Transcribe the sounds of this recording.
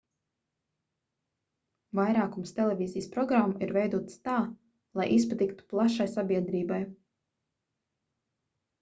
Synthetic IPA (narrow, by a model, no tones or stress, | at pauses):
vajɾaːkumst̪ɛlʲˠɛvʲiːzijspɾɔɡɾamːaiɾvɛjd̪uɔt̪st̪aː | lˠajʔispat̪ikt̪u̥plˠaʃajsabʲiɛd̪ɾiːbaj